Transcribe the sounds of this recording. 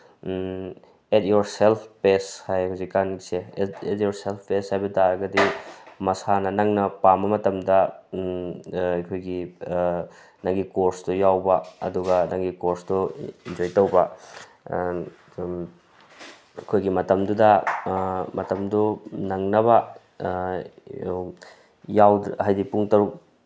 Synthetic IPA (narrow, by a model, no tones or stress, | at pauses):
et̚joɾselpʰpeshajhawzikːanɡiseet̚joɾselpʰpeshajbɐtaɾɐɡɐdimɐsanɐnɐŋnɐpambɐmɐtɐmdɐ | ɐjkʰojɡi | nɐŋɡikoɾsdujawbɐɐ̰duɡɐnɐŋɡikoɾsduind͡ʒojtɐwbɐ | kʰojɡimɐtɐmdudɐ | mɐtɐmdunɐŋnɐβɐ | jawdhajdipuŋtɐɾuk